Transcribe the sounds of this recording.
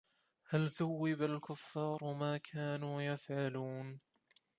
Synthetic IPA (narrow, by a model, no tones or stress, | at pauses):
halθawːɪbalkʊfːɑːɾˤʊmaːkʰaːnuːjafʕaluːn